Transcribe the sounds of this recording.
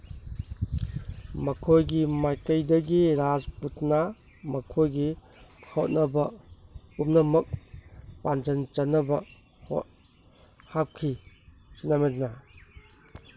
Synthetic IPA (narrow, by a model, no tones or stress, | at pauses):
mɐkʰojɡimajkɐjdɐɡiɾad͡ʒputnɐ | mɐkʰojɡi | hʰot̚nɐbɐ | up̚nɐmɐk̚pand͡ʒɐnt͡ʃɐnːɐbɐ | ho̰ | hap̚kʰi | t͡ʃinamet̚nɐ